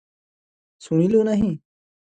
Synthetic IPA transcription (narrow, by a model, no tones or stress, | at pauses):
suɽ̃iloːnɐɦĩ